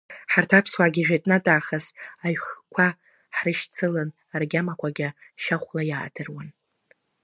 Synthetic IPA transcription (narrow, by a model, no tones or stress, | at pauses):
ħartʰapʰswaɡʲiʒᶣajtʼnatʼaːχasaɥχkʷʰa | ħrɨʃt͡sʰɨlɨn | arɡʲamakʷʰaɡʲaʃaχʷlajaːdʰɨrwan